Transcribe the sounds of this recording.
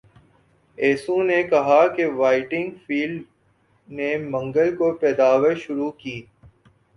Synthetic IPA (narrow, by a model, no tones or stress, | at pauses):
eːsũnekɐɦakeʋaːɪʈɪ̃ŋɡfiːl | nemɐ̃ŋɡəlkopɛːd̪aːʋəɾʃʊɾukiː